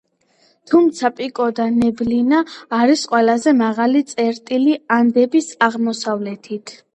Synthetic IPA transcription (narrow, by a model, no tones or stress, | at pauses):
t̪ʰumt̪sʰapʼikʼɔd̪anɛblinaːɾisqʼwɛlazɛmaʁalit̪sʼɛɾt̪ʼiliand̪ɛbisaʁmɔsavlɛt̪ʰit̪ʰ